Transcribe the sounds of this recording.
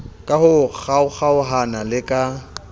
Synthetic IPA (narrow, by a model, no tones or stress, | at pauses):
kʼahʊk͡xʰaʊk͡xaʊɦanalɪkʼa